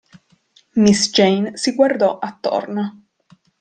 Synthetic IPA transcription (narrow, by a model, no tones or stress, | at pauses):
misd͡ʒejnsiɡward̪ɔʔat̪ːo̰rno